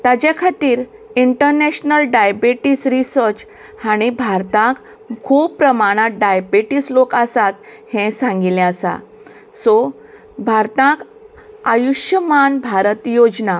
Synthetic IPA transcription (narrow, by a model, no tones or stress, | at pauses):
t̪ad͡ʑjakʰat̪iːɾ | iɳʈəɾnɛɕnəlɖajbeʈisɾisəɾt͡ɕ | haɽ̃ibʱaɾt̪ãk | kʰuːbpːɾəmaɽ̃at̪̚ɖajbeʈislokasat̪ | hɛ̃sãŋɡilɛ̃asa̰ | sɔ | bʱaɾt̪ãk | ajuɕjəmanbʱaɾət̪jod͡zna